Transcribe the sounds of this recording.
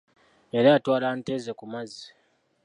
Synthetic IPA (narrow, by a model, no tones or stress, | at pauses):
eɾaatwaːlantezekumazi̥